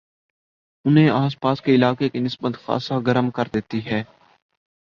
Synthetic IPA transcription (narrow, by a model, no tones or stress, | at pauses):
ʊnɦẽaːspaːskeɪlaːkekenɪsbət̪xa̰ːsaɡəɾəmkɐɾd̪eːt̪iɦɛː